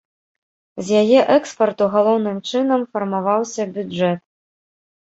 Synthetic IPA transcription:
zʲjajɛʔɛkspɐrt̪uɣalˠɔwnɨmt͡ʂɨnɐmfɐrmavawsʲɐbʲud͡ʐɛt̪̚

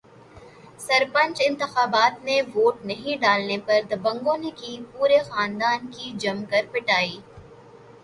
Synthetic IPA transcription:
sɐɾpə̃ɲt͡ʃɪ̃nt̪ɪxaːbaːt̪neʋoːʈnɐɦĩɖaːlnepɐɾd̪ɐbɐ̃ŋɡõːnekipuːɾexaːnd̪aːnkid͡ʒɐmkɐɾpɪʈaːiː

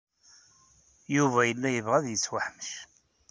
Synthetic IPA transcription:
juvæjəlːæjəvʁæðjət͡sːwaħməʃ

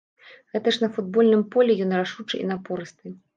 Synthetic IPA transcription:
ɣɛt̪ɐʂnɐfud̪̚bɔlʲnɨmpɔlʲɛjɔnraʂut͡ʂɨʔḭnapɔɾɨst̪ɨ

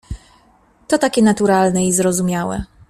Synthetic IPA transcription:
t̪ɔt̪akʲɛnat̪uɾalnɛizɾɔzumʲjawɛ̰

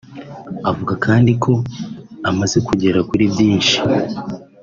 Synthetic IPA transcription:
avuɡakʰaːndikʰo̞amaze̞kuɟe̞ɾakuɾibɟiːnʃi̥

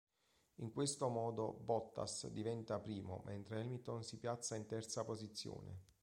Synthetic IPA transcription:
iŋkwest̪omɔːd̪obɔt̪ːa̰sd̪ivɛnt̪apɾiːmo̰mʔent̪ɾeɛlmit̪onsipjat̪sːaint̪ɛrt̪sapozit̪sːjo̰ːnḛ

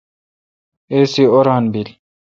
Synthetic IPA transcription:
esioɾaːnbil

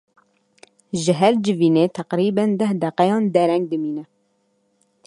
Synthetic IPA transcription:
ʒɨɦɛɾd͡ʒɨviːneːt̪ʰæqɾiːbɛnd̪ɛhd̪ɛqɛjɑːnd̪ɛɾɛŋɡ̚d̪ɨmiːnɛ

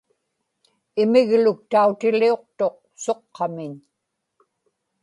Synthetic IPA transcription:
ɪmɪɣlʊk̚t̪aut̪ɪlio̞q̚t̪o̞q̚ | so̞qʰːɑmɪɲ

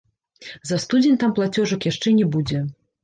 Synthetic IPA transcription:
zɐst̪ud͡zʲenʲt̪amplˠat͡sʲɔʐɐkjaʂt͡ʂɛnʲɛbud͡zʲɛ

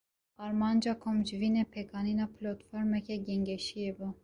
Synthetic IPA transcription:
ɑɾmɑnd͡ʒɑkʰomd͡ʒvinɛpʰɛkʰɑninɑpʰlɔt̪fɔɾmɛkʰɛɡɛŋɡɛʃiɛbu

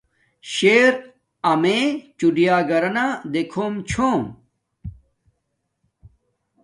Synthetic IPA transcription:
ɕeːɾ | ɐmẽt͡ɕuɖijaːɡɐɾɐnad̪ekʰoːmt͡ɕʰoːm

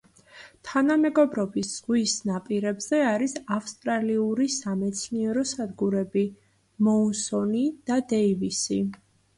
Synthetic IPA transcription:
t̪ʰanamɛɡɔbɾɔbisz̥ʁwisnapʼiɾɛbz̥ɛaɾisafst̪ʼɾaliuɾisamɛt̪sʰniɛɾɔsad̪ɡuɾɛbi | mɔunsɔnid̪̥ad̪ɛivisi

